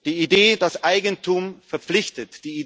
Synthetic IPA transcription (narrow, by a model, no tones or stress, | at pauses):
d̥iːideːdasʔaɪɡən̩tʰumfɛɐp͡flɪçtətd̥iːi